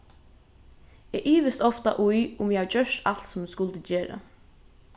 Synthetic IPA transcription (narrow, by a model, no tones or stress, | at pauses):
ɛːʔiːʋɪst̪ɔft̪a̰ʔujʊmjɛhad͡ʒœʂt̪al̥t̪sɔmskʊlt̪əd͡ʒeːɾa̰